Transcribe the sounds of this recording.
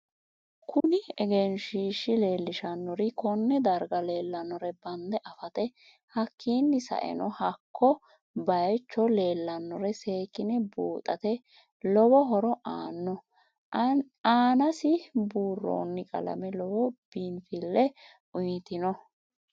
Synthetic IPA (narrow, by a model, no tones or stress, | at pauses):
kʊnɪɛɡeːnʃiːʃːɪle̞ːlːɪʃɐnːɔɾɪkɔnːɛd̪ɐɾɡɐle̞ːlːɐnːɔɾɛbɐnd̪ɛʔɐfɐt̪ɛ | hɐkʰːiːnːɪsɐ̰ʔɛ̰nɔhɐkʰːɔ | bɐjt͡ʃːɔle̞ːlːɐnːɔɾɛse̞ːkʼːɪnɛbuːt̪ʼɐt̪ɛ | lɔbɔɦɔɾɔʔaːnːɔ | aːnɐsɪbuːrːo̰ːnːɪkʼɐ̰lɐ̰mɛlɔwɔb̥iːnfɪlːɛ | ʊjt̪ɪnɔ